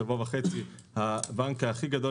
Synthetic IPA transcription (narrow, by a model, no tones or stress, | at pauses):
avovaχet͡sihabaŋkaχiɡad̪o